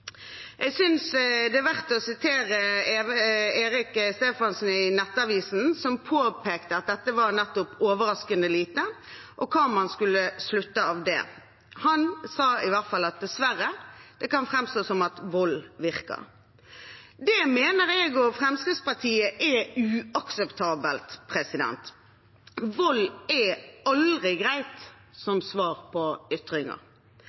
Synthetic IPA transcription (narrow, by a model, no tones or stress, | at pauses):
ʔɛɡsʏnsd̪ɛːʋæʁt̪əɔsɪt̪ʰeːɾə | eːɾɪkst̪eːfɑnsn̩ɪnɛt̪ːəɑʋiːsn̩sɔmpʰoːpʰeːkt̪əɑt̪̚d̪ɛt̪ːəʋɑɾnɛt̪ːʊpoːʋəɾɑskənəliːt̪ə | ʔɔkʰɑːmɑnskʉlːəslʉt̪ːəɑʋd̪ɛ̰ | hɑnsɑːɪʋæʁt̪fɑlːɑt̪̚d̪ɛsʋæɾəd̪̥ɛkɑnfʁɛmst̪oːsɔmɑt̪ʋɔlʋɪʁkə̰ɾ | d̪ɛmeːnəɾɛɡɔfʁɛmskʁɪd̪spɑʁt̪ʰiːəʔɛʉːɑksɛpt̪ʰɑːbəlt̪pʰʁɛsɪd̪ɛ̰nt̪ | ʋɔlːɛɑld̪ʁɪɡɾæɪt̪ | sɔmsʋɑːʁpʰɔʏt̪ʁɪŋə̰